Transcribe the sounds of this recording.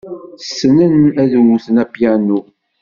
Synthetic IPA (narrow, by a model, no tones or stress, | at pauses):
sːənənæðwuθənæpjænu